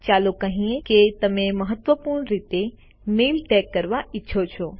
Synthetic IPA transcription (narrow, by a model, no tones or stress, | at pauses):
t͡ʃaːlokəɦĩẽket̪ɐmẽmɐɦət̪ʋəpuːɾɳɾiːt̪e | meːlʈɛːkːəɾʋaɪtːʃʰot͡ʃʰoː